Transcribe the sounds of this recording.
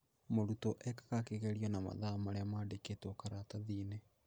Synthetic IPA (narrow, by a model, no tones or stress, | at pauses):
moɾutɔʔɛkḁkakeɣɛɾiɔnama̰ðamaɾeamaːdeketɔkaɾataðiːne